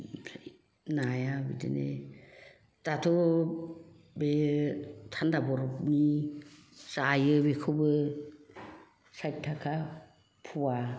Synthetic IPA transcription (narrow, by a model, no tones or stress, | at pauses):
najabḭdḛnḛ | tatʰɔ | be | tʰandabɔɾɔpni | sajɯbekʰɯbɯ | saj̚tʰːakʰa | pʰuwa